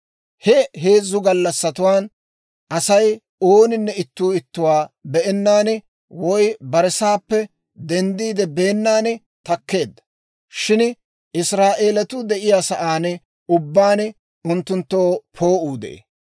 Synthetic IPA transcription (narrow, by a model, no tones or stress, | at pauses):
hɛɦe̞ːzːʊɡɐlːɐsːɐt̪ʊwaːn | ʔɐsɐj | oːnɪnːɛɪt̪ːuːɪt̪ːʊwaːbɛʔɛnːaːnɛ | wɔjbɐɾɛsaːpːɛ | d̪ɛnd̪iːd̪ɛbeːnːaːnɛ | t̪ɐkːe̞ːd̪ːɐ̥ | ʃɪn | ɪsɾaːʔe̞ːlɐt̪ʊd̪ɛʔɪjaːsɐʔaːnɛ | ʊbːaːnɛ | ʊnt̪ːʊnt̪ːoːpʰoːʔuːd̪ɛ̰ʔḛ